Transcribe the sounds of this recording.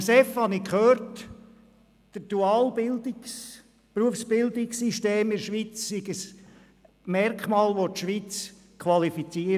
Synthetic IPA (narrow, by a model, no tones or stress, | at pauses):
sɛfhɑnikχøːɾt | d̥əd̥uɑːlbɪldɪks | pɾuəfsb̥ɪld̪ɪksiʃteːmɪɾʃʋit͡ssiɡəs | mɛrkχmɑːlʋot̪ʃʋit͡s | kʰʋɑlifit͡siə